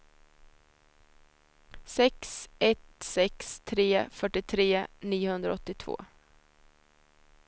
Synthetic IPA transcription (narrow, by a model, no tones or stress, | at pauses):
sɛksɛt̪sɛkst̪ʰɾeːfœʈːɪt̪ʰɾeːniːʊhɵnd̪ɾa̰ɔt̪ːɪt̪ʰvo̰ː